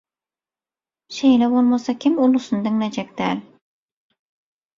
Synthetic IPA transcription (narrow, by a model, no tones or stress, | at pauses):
ʃejnɛbolˠmɑsɑkʲʰɪmulˠusɨnd̪ɨŋnæd͡ʒɛk̚d̪æl